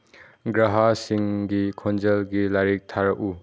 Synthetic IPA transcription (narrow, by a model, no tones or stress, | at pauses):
ɡɾaɦasiŋɡikʰɔnd͡ʒelɡilaɾik̚tʰaɾɐʔu